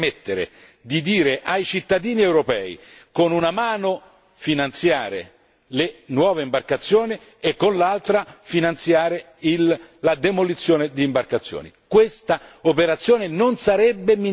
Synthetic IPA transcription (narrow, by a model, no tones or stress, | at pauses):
met̪ːeɾḛ | d̪id̪iːɾeʔajt͡ʃit̪ːad̪iːniɛwɾopɛːḭkonunamaːno | finant̪sjaːɾḛ | lenwɔːveimbarkat̪sːjoːni | ekːonlalt̪ɾafinant̪sjaːɾe | ilːad̪emolit̪sːjoːned̪iːmbarkat̪sːjo̰ːnḭkwest̪aopeɾat̪sːjoːnenonsaɾɛbːemi